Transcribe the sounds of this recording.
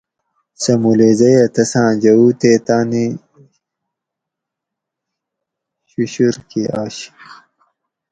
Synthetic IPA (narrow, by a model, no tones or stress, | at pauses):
sɐmulezɐjɐt̪ɐsãːd͡ʑɐuːt̪eːt̪aːni | ɕuɕuɾkiaːɕi̥q